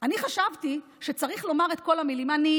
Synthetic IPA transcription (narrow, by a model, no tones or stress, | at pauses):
aniχaʃavti | ʃe̞t͡saʁiχlo̞maʁe̞tko̞lamilimani